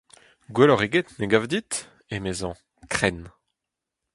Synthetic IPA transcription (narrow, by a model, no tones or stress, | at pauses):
ɡwelɔʁeɡet̪neɡavd̪it̪ | emezɑ̃ | kχɛn